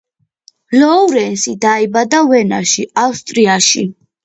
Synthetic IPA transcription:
lɔuɾɛnsid̪aibad̪avɛna̰ʃiawst̪ʼɾiaʃi

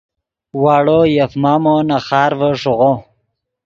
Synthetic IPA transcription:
waːɽojafmamonaχɑːɾvəʂoʁo

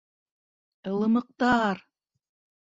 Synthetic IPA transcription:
ɤ̆lˠɤ̆mɤ̆q̚t̪ɑɾ

